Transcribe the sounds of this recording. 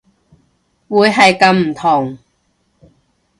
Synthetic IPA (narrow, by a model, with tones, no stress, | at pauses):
wuː˨˧jɦɐ˨jkɐ˨˧mm̩˨˩t̪ʰʊ˨˩ŋ